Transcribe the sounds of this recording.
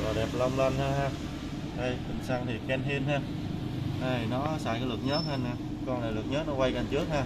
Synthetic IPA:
va˨˩ɗɛ˨˩p̚la˧wmlə˧nhaː˧ɦaː˧ | ɗə˧˩jhï˨˩ŋ̟sa˧ŋt̪ʰi˨˩kɛ˧nhi˧ənɦaː˧ | ɗa˧˩jnɔ˨˦sa̰ː˧˩kaː˨˦lɨ˨˩k̚ɲəː˨˦˥t̚ha˧naː˧˩ | kɔ˧nlaː˨˩lɨ˨˩k̚ɲəː˨˦˥nɔ˨˦kwa˧jkə˨˩nt͡ɕɨ˦˥ək̚haː˧

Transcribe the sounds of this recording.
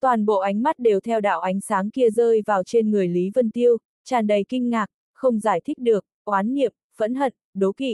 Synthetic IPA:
t̪waː˨˩nɓo̰˧˨ʔa˨˦ŋ̟ma˦˥t̚ɗe˨˩wt̪ʰɛ˧wɗa̰ː˧˨wʔa˨˦jŋ̟saː˨˦ŋki˧əzəː˧jvaː˨˩wt͡ɕe˧nŋɨ˨˩əjli˨˦və˧nt̪i˧əw | t͡ɕaː˨˩nɗə˨˩jkï˧ŋ̟ŋaː˨˩k̚ | xə˧wŋ͡mzaː˧˩jt̪ʰi˦˥k̟̚ɗɨ˨˩ək̚kwaː˨˦nːḭ˧˨əm | v̥ə̰˧˥nɦə̰˧˨n | ɗo˨˦kḭ˧˨

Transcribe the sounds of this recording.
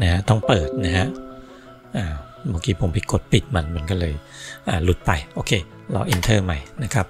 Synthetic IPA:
na˦ha˦˥ʔt̪ɔ˥˩ŋpɤː˨˩t̪̚na˦˥ɦa˦˥ʔ | ʔaː˨˩ | baː˧˦ŋkiː˧pʰo˨˦mpi˨˧˩ko˨˩t̪̚pi˨˩t̪̚ma˧nma˧˦nkɔː˥˩lɤː˧j | ʔaː˨˩lu˨˩t̪̚pa˧jʔoː˧˩kʰeː˧ | lɔ̰ː˧ʔi˧nt̪ʰɤː˥˩ma˧˩jna˦˥kʰa˦˥p̚

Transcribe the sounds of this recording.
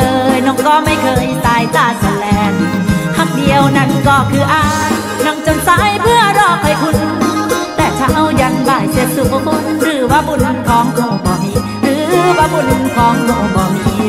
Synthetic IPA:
ɤː˧jnɔ˧˦˥ŋkɔː˧˩ma˥˩jkʰɤː˧jt̪aː˧jt̪aː˧˩sa˧˩lɛː˨˧˦ŋhʰa˧˩k̚di˧əwna˧˥nkɔː˧˩kʰɯː˧ʔaː˧˩ | na˧˥˩ŋt͡ɕo˧nsaː˧˦˥jpʰɯ˥˩ɐdɔː˧˩k̚ha˧˩jkʰu˧˥n | t̪ɛː˨˩t͡ɕʰa˧˩ʔa˧˩wja˧nbaː˧˩jse˧˦p̪̚su˨˧˩kʰa˧pʰu˧˥˩ɾɯː˨˩˦waː˧˥bu˧˩n˧nkʰɔː˨˦ŋkʰɔː˧˩bɔː˨˩ni˧ | ɾɯː˨˦˧waː˧˥bu˧˩n˧kʰɔː˨˦ŋkʰɔː˧˩bɔː˨˩ni˧

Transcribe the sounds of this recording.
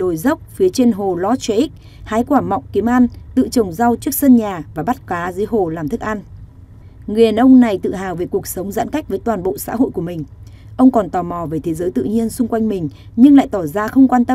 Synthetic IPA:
ɗo˨˩jzə˦˥wk͡p̚fi˨˦t͡ɕe˧nɦo˨˩lɔ˨˦t͡ɕwe˨˦ʔi˦˥k̚ | haː˨˦jkwaː˧˩mɔ̰˨˧˨wk͡pki˨˦əmʔaː˧nt̪ɨ̰˧˨t͡ɕə˨˩wŋ͡mza˧wt͡ɕɨ˦˥ək̚sə˧nɲaː˨˩vaː˨˩ɓa˦˥t̚kwaː˨˦zə˨˦jɦo˨˩laː˨˩mt̪ʰɨ˦˥k̚ʔa˧n | ŋɨ˨˩ə˨nʔə˧wŋ͡mna˨˩jt̪ɨ̰˧˨ɦaː˨˩wve˨˩ku˨˩ək̚sə˨˦wŋ͡mza̰ː˧˥nka˦˥k̚və˨˦jt̪waː˨˩nɓo̰˧˨sa̰ː˧˥ɦo̰˧˨jku˧˩mï˨˩ŋ̟ | ʔə˧wŋ͡mkɔ˨˩nt̪ɔ˨˩mɔ˨˩ve˨˩t̪ʰe˨˦zəː˨˦jt̪ɨ̰˧˨ɲi˧ənsʊ˧ŋ͡mkwa˧jŋ̟mï˨˩ŋ̟ | ɲɨ˧ŋla̰ː˧˨jt̪ɔ˧˩zaː˧xə˧wŋ͡mkwaː˧nt̪ə˧

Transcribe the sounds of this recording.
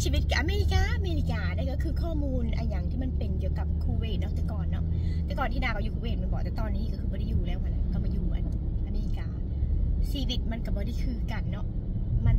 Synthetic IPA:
t͡ɕʰiː˧wi˦˥t̪̚ka˨˩ʔaː˧meː˧ɾi˧kaː˧˩ʔa˧meː˧li˧kaː˧daː˧˩˨kɔ˥˩kʰɯː˧kʰɔː˥˩muː˧nʔa̰ː˧jaː˨˩ŋt̪ʰiː˥˩ma˧npe˨˧nki˨˩əwka˨˩p̚kʰuː˧weː˧˩t̪̚nɔ˦˥t̪ɛ˨˩kɔː˨˩nːɔ̰˦˥ʔt̪ɛ˨˩kɔː˨˩nt̪ʰiː˥˧naː˧˩kɔ˧˩juː˨˩kʰu˧weː˧˩ma˧nkɔː˨˩t̪ɛː˨˩t̪ɔː˧nːiː˦˥kɔ˥˩kʰɯː˧bɔː˧˦ɾa˥˩juː˨˩lɛː˦˥wka˧˩na˧˨kɔ˧˩maː˧˩juː˨˩ka̰˨˩n˧˩ʔa˧meː˧li˧kaː˧ | siː˧wi˧˩t̪̚ma˧nka˧˩bɔː˧˦da˥˩kʰɯː˧ka˧nːɔ˦˥ʔma˧n

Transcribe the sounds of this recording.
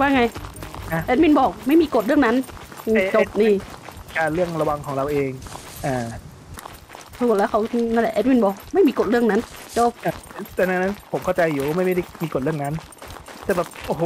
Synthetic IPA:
waː˥˩ŋa˧ja˧˦ʔɛː˧˦˥mi˧˥˨nbɔː˨˩k̚ma˥˩jmiː˧ko˨˩t̪̚ɾɯ˥˩əŋna˦˥nʔːt͡ɕo˧˩p̚niː˧˩kaː˧nɾɯ˥˩əŋɾa˧wa˧ŋkʰɔː˩˦ŋɾa˧wʔeː˧ŋ | ʔaː˨˩ | pʰu˨˩t̪̚lɛː˦˥wkʰa˦˥wna˥˩˨lɛ̰˨˩ʔeː˦˥t̪̚mi˧˥˨nbɔː˨˩k̚ma˥˩jmiː˧ko˨˩t̪̚ɾɯ˥˩əŋna˦˥nt͡ɕo˧˥˩p̚ʔaː˧˩˧t̪ɛː˨˩na˧˩na˦˥npʰo˨˩˦mkʰa˥˩wt͡ɕa˧jːuː˨˩waː˥˩a˥˩jma˥˩da˥˩miː˧ko˨˩ɾɯ˥˩əna˦˥n | t̪ɛː˨˩bɛː˨˩p̚ʔoː˧˩hoː˨˦

